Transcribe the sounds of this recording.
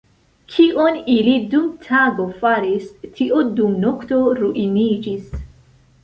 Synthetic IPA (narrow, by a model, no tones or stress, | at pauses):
kʰiʔonilidumtʰaɡo̞faɾistʰiʔodumnokto̞ɾuʔinid͡ʒis